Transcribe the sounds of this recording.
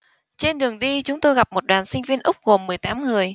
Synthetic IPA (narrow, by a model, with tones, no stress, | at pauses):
t͡ɕe˧nɗɨ˨˩əŋɗi˧t͡ɕʊ˨˦ŋ͡mt̪o˧jɣa˨˩p̚mo˨˩t̚ɗwaː˨˩nsï˧ŋ̟vi˧ənʔʊ˦˥k͡p̚ɣo˨˩mːɨ˨˩əjt̪aː˨˦mŋɨ˨˩əj